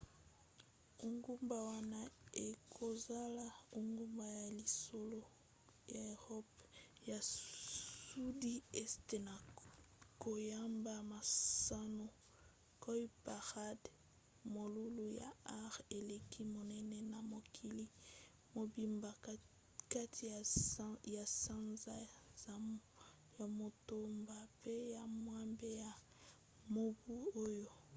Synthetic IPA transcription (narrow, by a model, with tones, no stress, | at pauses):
u˨ŋɡu˦mba˨wa˦na˦e˨kʰo˨za˦la˦u˦ŋɡu˦mba˨ja˨li˨so˦lo˦ | ja˨ʁɔ˦pja˨ | su˦di˦e˦ste˨na˨ | ko˨ja˦mba˨ma˨sa˦no˨ | kɔ˦ji˦pa˨ʁa˦d | mo˨lu˦lu˦ja̰˨a˦ʁe˨le˨ki˦mo˨nɛ˦nɛ˦na˨mo˨kʰi˦li˦ | mo˨bi˦mba˨ | ka˦tʰi˨ja˨sa˦nza˦˨ | ja˨mo˨to˦mba˨pe˦ja˨mwa˦mbe˦ja˨ | mo˦bu˦o˦jo˦